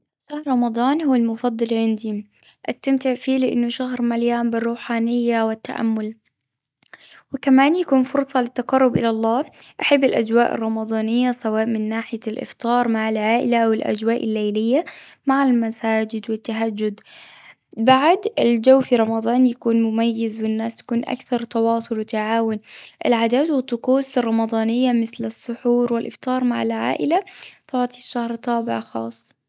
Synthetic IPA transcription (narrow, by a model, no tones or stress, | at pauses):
ʃaːhɾˤɾˤɑmɑd̪ˤɑːnhʊːalmʊfɑd̪ˤːɑlʕɪnd̪i | ʔast̪amt̪ɪʕfiːlɪʔɪnːʊʃaɦɾmaljaːmbɪrːuːħaːnɪjːawɪt̪ːa̰ʔa̰mːʊl | wɪkamaːnjakuːnfʊɾsˤɑlɪt̪ːaqɑrˤːʊbʔɪ̰lalˤːɑːʔaħabːɪlʔa̰d͡ʒwaːʔɪ̰rˤːɑmɑd̪ˤɑːnɪjːasawaːʔmɪnːaːħɪjalʔɪ̰ft̪ɑːɾˤmaʕalʕaːʔɪlaʔawɪlʔa̰d͡ʒwaːʔɪlːajlɪjːamaʕɪlmasaːd͡ʒɪd̪wɪt̪ːaɦad͡ʒːʊd̪ | baʕd̪ɪld͡ʒawːfiɾˤɑmɑd̪ˤɑːnjakuːnmʊmajːɪzwɪnːaːsj̪ḁkuːnʔa̰kθɑɾˤt̪ɑwɑːsˤʊlwɪt̪aʕaːwʊnʔɪlʕad̪aːʒwɪt̪ˤːʊquːsɨrˤːɑmɑd̪ˤɑːnɪjːamɪθlɨsˤːʊħuːɾwɪlʔɪft̪ˤɑːɾˤmaʕɪlʕa̰ːʔɪlat̪ˤɑbʕt̪iʃːahɾt̪ˤːɑːbɪ̰ʕxɑ̰ːsˤː